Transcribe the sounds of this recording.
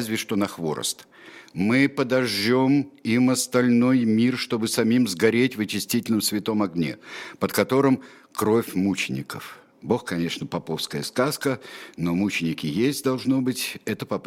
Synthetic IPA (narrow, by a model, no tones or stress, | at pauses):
zʲvʲɪʂt̪o̞nɐxvo̞̰ɾə̰st̪ | mɨpəd̪ɐʐːo̞mimɐst̪ɐlʲno̞jmʲirʂt̪o̞bɨsɐmʲimzɡɐɾʲetʲvɨt͡ɕɪsʲtʲitʲɪlʲnəmsvʲɪt̪o̞mɐɡnʲḛpət̪kɐt̪o̞ɾɨm | kɾo̞fʲmut͡ɕɪnʲɪ̰kə̰f | bo̞xkɐnʲe̞ʂnəpɐpo̞fskəjəskaskəno̞mut͡ɕɪnʲɪkʲɪjesʲtʲd̪ɐlˠʐno̞bɨtʲɛt̪əpɐp